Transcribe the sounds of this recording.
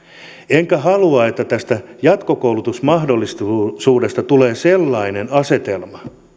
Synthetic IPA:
eŋkæɦɑluɑe̞t̪ːæt̪æst̪æjɑt̪kokouwlut̪usmɑhdolːist̪suːde̞st̪ɑt̪uleːselːɑinenɑse̞t̪e̞lmɑ

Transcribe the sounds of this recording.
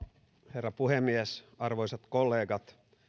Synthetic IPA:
herːɑpuhemːiesɑrʋoisɑt̪kolːeːɡɑt̪

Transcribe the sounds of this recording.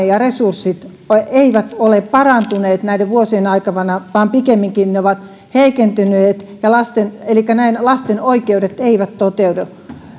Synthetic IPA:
ejɑresursːit̪ | oeiʋæt̪oleppɑrɑnt̪uneːt̪næideʋʋuosienɑikɑʋɑnɑʋɑːmpikemːiŋkinneoʋɑt̪ | heikent̪yneːt̪jɑlɑst̪enelikːˑænæinlɑst̪enoikeudet̪eiʋæt̪t̪ot̪eude

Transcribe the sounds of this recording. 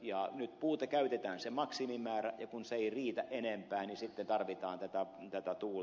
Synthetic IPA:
jɑnyt̪puːt̪ɑkæyt̪et̪æːnsemɑksimimæːræjɑkunseeiriːt̪æʔenempæːnisit̪ːent̪ɑrʋit̪ɑːnt̪æt̪æt̪æt̪æt̪uː

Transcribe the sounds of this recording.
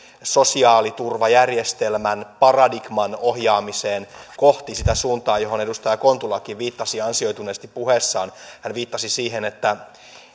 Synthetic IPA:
so̞siɑːlit̪urʋɑjærjest̪elmænpɑrɑdiɡ̥mɑnohjɑːmiseːnko̞ht̪isit̪æsuːnt̪ɑːjo̞ɦo̞ne̞dust̪ɑjɑko̞nt̪ulɑkiʋʋiːt̪ːɑsiɑnsio̞jt̪uneːst̪ippuhesːɑːnhænʋiːt̪ːɑsisiːɦenet̪ːæ

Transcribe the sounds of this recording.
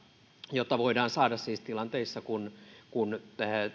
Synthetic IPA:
jot̪ːɑʋoidɑːnsɑːdɑssiːst̪ilɑnt̪eisːɑkunkunæ

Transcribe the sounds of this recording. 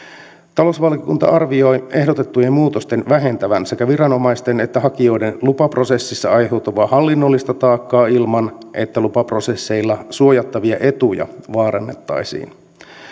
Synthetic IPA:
t̪ɑlo̞sʋɑlkikṵnt̪ɑ̰ʔɑrʋio̞je̞ɦdo̞t̪et̪ːujemmuːt̪o̞st̪e̞nʋæɦe̞nt̪æʋænse̞kæʋiɾɑno̞mɑjst̪ene̞t̪ːæhɑkio̞jdenlupɑpro̞se̞sːisːɑɑjhewt̪uʋɑːhɑlːinːo̞lːist̪ɑt̪ɑːkːɑːilmɑnʔe̞t̪ːælupɑpro̞se̞sːejlːɑsuo̞jɑt̪ːɑʋiɑʔe̞t̪ujɑ̰ʋɑːɾɑnːet̪ːɑ̰jsḭːn

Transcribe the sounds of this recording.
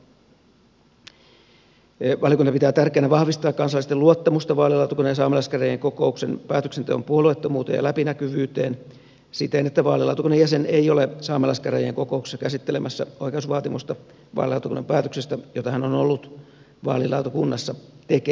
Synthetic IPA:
ʋɑliokunt̪ɑpit̪æːt̪ærkeːnæʋɑhʋist̪ɑːkkɑnsɑlːˑist̪eluot̪ːɑmust̪ɑʋɑːlilɑut̪ukunːɑjɑsɑːmelɑskæræjeŋko̞ko̞uksḛnpæːt̪ø̥ksent̪ḛompuoluet̪ːomuːt̪ḛjɑ̰læpinækyʋyːt̪eːn | sit̪eːnet̪ːæʋɑːlilɑ̰ut̪ukunːɑjæsenejo̞lesɑːmelɑskærḛjḛŋko̞ko̞uksːɑkæsit̪ːelemʔæsːæoikeusʋɑːt̪imust̪ɑ | ʋɑ̰ːlilɑ̰wt̪ukunːɑ̰mpæːt̪øksest̪æjot̪ɑhænonolːut̪ | ʋɑ̰ːlilɑ̰ut̪okunːɑsːɑt̪eke

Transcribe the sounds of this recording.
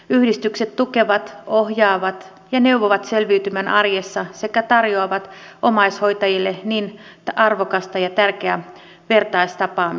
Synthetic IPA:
yhdist̪ykset̪t̪ukeʋɑt̪ohjɑːʋɑt̪ | jɑneuʋoʋɑt̪selʋiːt̪ymænʔɑrjesːɑsekæt̪ɑrjoɑʋɑt̪omɑisho̞it̪ɑjilːeniːnt̪ʔɑrʋokɑst̪ɑjɑt̪ærkeæ | ʋe̞rt̪ɑist̪ɑpɑːmi

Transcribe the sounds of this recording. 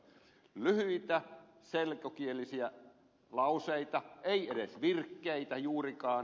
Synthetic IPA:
lyhyit̪æ | selkokielisiæ | lɑuseit̪ɑʔeieɾesʋirkːeit̪æjuːrikɑːn

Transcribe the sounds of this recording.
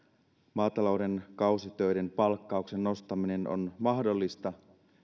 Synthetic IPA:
mɑːt̪ɑlo̞wde̞nkɑusit̪øjde̞npɑlkːɑukse̞nːo̞st̪ɑmine̞no̞̰nmɑɦdo̞lːist̪ɑ

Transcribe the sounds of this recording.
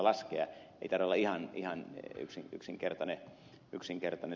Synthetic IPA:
lɑskeɑḛit̪ɑrʋeolːɑihɑnihɑny̰ksiŋyksiŋkert̪ɑne | yksiŋkert̪ɑne

